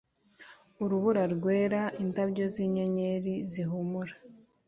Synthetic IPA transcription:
uɾuβuɾaɾɡwe̞ːɾaintabɟo̞ziɲeɲeɾiziɦumuɾa

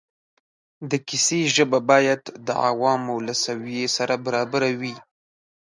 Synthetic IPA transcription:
d̪əkɪseʒəbabɑjad̪d̪ə̰a̰wɑmawlasawijesaɾabaɾɑbaɾawi

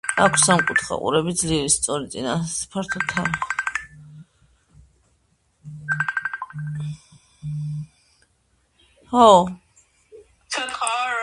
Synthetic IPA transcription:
akʷʰsamkʼut̪ʰχa̰qʼṵɾɛbid̪zliɾist̪sʼɔɾit̪sʼinaspʰaɾt̪ʰɔt̪ʰa | hɔ

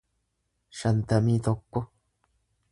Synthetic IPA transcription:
ʃɐnt̪ɐmiːt̪okːo

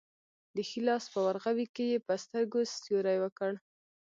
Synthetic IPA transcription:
d̪əxilɑspəwaɾɣawikejepəst̪əɾɡost̪joɾajwəkəɽ

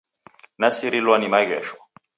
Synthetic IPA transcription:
nasiɾilwanimaɣɛːʃwa

